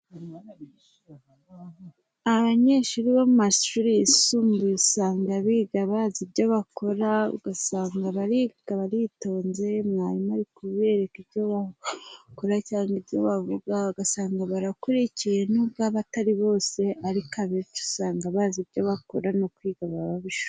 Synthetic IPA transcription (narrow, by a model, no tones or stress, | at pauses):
aβaɲe̞ʃuɾiβomumaʃuɾijisuːmbuisaːŋɡaβiːɡaβazibɟo̞βako̞ɾaṵɡ̥asaːŋɡaβaɾiɡ̥aβaɾito̞ːnze̞mŋaːɾimaɾikuβe̞ɾekibɟo̞βa | koɾacaːŋɡibɟo̞βavuɡauɡasaːŋɡaβaɾakuɾicije̞nubɡaːβataɾiβo̞ːse̞aɾikaβitu̥saːŋɡaβaːzibɟo̞βako̞ɾano̞kwiːɡaβaβaβiʃu̥